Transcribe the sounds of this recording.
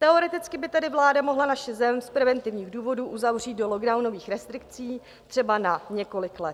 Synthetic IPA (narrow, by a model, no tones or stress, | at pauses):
t̪ɛo̞ɾɛt̪ɪt͡skɪbɪt̪ɛdɪvlaːdamo̞ɦlanaʃɛzɛmspɾɛvɛnt̪ɪvɲiːɣduːvo̞duːʔuzavr̝iːt̪̚do̞lo̞ɡdawno̞viːxɾɛst̪ɾɪk̚t͡siː | t̪r̥ɛbanaɲɛko̞lɪklɛt̪